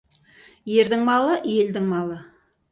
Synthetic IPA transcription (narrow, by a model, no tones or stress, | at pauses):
je̞ɾd̪ɪŋmɑlˠəje̞ld̪ɪŋmɑlˠə